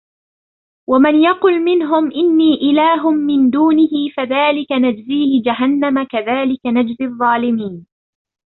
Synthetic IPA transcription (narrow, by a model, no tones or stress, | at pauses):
wamanjɑqʊlmɪnɦʊmʔɪnːiːʔɪlaːɦʊmːɪnd̪uːnɪhɪfaðaːlɪkanad͡ʒziːhɪd͡ʒaɦanːamakaðaːlɪkanad͡ʒzɪðˤːɑːlɪmiːn